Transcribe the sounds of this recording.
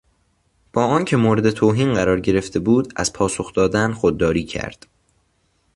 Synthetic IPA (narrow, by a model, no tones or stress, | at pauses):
b̥ɒːɒːncʰe̞moːɾe̞d̪e̞t̪ʰoːɦiːnɢæɾɒːɾɟe̞ɾe̞ft̪e̞buːd̪æ̰z̥pʰɒːsoxd̪̥ɒːd̪ænxod̪ːɒːɾiːcʰæ̰ɾd̪̥